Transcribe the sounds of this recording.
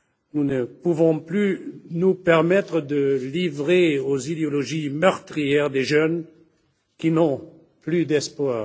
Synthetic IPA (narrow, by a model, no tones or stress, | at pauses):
nunəpuvɔ̃plynupɛʁmɛt̪χəd̪əlivʁeozid̪eɔlɔʒimœʁt̪χijɛʁd̪eʒœn | kinɔ̃ | plyd̪ɛspwaːʁ